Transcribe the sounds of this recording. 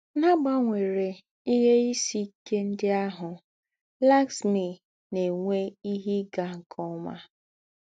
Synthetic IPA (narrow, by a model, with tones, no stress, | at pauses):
na˦ɡ͡ba˦ŋʷe˨ɾe˨ | i˦ɦe˦i˦si˦ke˦n̩˦dɪ˦a˦ɦʊ˨ | la˦ksmi˨ | ne˨ŋʷe˦i˦ɦi˦ɡa˨kʰɔ˦ma̰˦